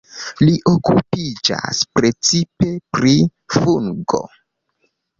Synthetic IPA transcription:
liʔo̞kupid͡ʒa̰spɾe̞t͡sipe̞pɾifuŋɡo̰

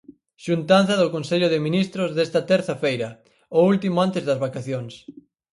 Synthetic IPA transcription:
ʃunt̪an̟θɐðʊkonseʎʊðɪminist̪ɾʊzðest̪ɐt̪ɛɾθɐfejɾɐ | oult̪imʊant̪ezðɐzβakaθjoŋs

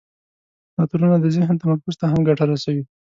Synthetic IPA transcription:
nɑt̪uɾunad̪əzɪɦnt̪amaɾkʊzt̪aɦamɡaʈaɾasawi

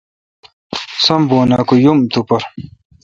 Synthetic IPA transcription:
sɐmboːna̰ːkujumt̪upɐɾ

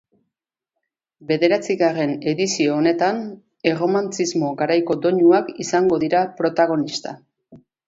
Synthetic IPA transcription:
be̞ðe̞ɾat͡siɣare̞ne̞ðisio̞ːne̞t̪an | e̞ro̞mant͡sizmo̞ɣaɾajko̞d̪o̞ɲuakisaŋɡo̞ðiɾapɾo̞t̪aɣo̞nist̪a

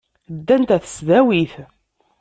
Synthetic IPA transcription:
d̪ːænt̪æθə̥sðæwiθ

